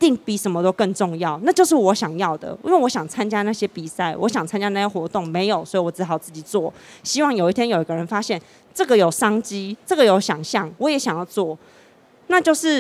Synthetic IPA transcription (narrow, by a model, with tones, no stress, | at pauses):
t̪i˥˩ŋpi˨˩ʂə˧˥nmə˧t̪o˥ʊkə˥˧nʈ͡ʂʊ˥˧ŋjɑ˥˩ʊna˥˧t͡ɕjo˥˧ʊʂ̬ɻ̩˥˩wɔ˧˥ɕjɑ˨˩ŋjɑ˥˩ʊd̪ə̰˩ʔḭ˥˦nwe˥˩wɔ˧˦˥ɕjɑ˨˩ŋt͡sʰa˦nt͡ɕja˦na˥˩ɕjɛ˥pi˨˩sa˥˩ɪwʔɔ˧˦ɕjɑ˨˩ŋt͡sʰa˥nt͡ɕja˦na˥˩ɕjɛ˥xwɔ˧˥˦t̪ʊ˥˩ŋme˧˥ɪjo˨˩ʊswɔ˧˥i˨wɔ˨˩t͡s̩˥xɑ˨˩ʊt͡sɹ̩˥˩t͡ɕi˨˩t͡swɔ˥˩ɕi˥wɑ˥˩ŋjo˨˩ʊi˥˩t̪ʰjɛ˥njo˨˩ʊi˨˦ɡə˧ɻə˧˦nfa˦˥ɕjɛ˥˩n | ʈ͡ʂɤ˥˩ɡə˩jo˨˩ʊʂɑ˥ŋt͡ɕi˦˥ʈ͡ʂə˥˩ɡə˨jo˧˥ʊɕjɑ˨˩ŋɕjɑ˥˨˩ŋwɔ˨˥jɛ˨˥ɕjɑ˨ŋjɑ˥˧ʊt͡swɔ˥˩ | na˥˧t͡ɕjo˥˧ʊʂɻ̩˥˩